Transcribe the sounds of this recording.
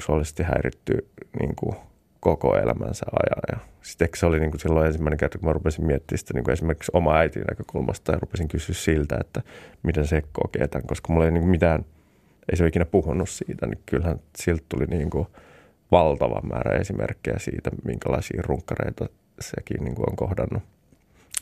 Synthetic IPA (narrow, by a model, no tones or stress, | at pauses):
suɑlise̥st̪ihæirit̪ːy̰nḭːŋku | kokoḛlæmænseɑjɑjjɑsi̥t̪ehkseoliniːŋkusilːoensimːæineŋkert̪ɑ̥kumærupesimmiɛt̪ːiːsi̥t̪æniːkuesimerki̥ksomɑæit̪ḭnækøkulmɑst̪ɑjɑrupesiŋkysyːssilt̪æet̪ːæmit̪ensekːo̰keːt̪ɑŋkoskɑmulːeiniːŋkumit̪æːn | eiseoikinæpuhunːussiːt̪ænikylhænsilt̪t̪uliniːŋku | ʋɑlt̪ɑʋɑ̰mːʔæːɾæ̰esimʔerkːejæsḭːt̪æmiŋkælɑisḭːruŋkːɑrḛit̪ɑ | sḛkḭːnniːŋkuo̰ŋkohdɑnːu